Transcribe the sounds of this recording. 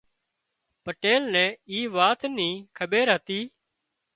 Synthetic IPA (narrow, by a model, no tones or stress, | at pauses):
pəʈeːlnɛ̃ːiːʋaːt̪nĩːkʰəɓeːɾɦət̪iː